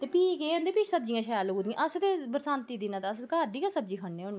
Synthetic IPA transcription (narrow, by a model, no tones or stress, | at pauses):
t̪eːpiːkeːond̪eːpiːt͡ʃsəb̚d͡ʒĩjãːʃaːjaːloːɡuːd̪jãʔəst̪eːbəɾsãːnt̪iːd̪inãːt̪ːəskaːd̪iːkaːsəbd͡ʒiːkʰaɳːẽːʊn